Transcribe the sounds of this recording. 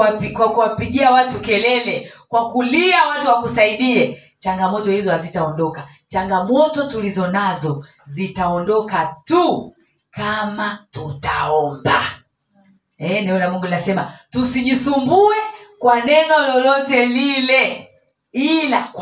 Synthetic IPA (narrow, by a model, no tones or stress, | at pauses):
pikwakuwapiɠiawatukɛlɛlɛkwakuliawatuwakusaiɗiɛ | t͡ʃaŋɡamɔtɔhizɔhazitaɔndɔka | t͡ʃaŋɡamɔtɔtulizɔnazɔ | zitaɔndɔkatu | kamatutaɔmba | ɛnaɔlamuŋɡuninasɛmatusiʄisumbuɛkwanɛnɔlɔlɔtɛlilɛ | ila